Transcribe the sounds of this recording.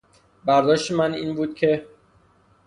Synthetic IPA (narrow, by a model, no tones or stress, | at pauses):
bæɾd̪ɒːʃt̪emæniːnbuːd̪̚cʰe̞